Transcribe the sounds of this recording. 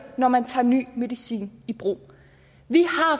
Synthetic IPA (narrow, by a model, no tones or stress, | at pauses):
nɒmænt͡sʰɑ̰̈ːny̰ːme̝ðˠisḭːnib̥ʁo̝̰ː | ʋihɑ̈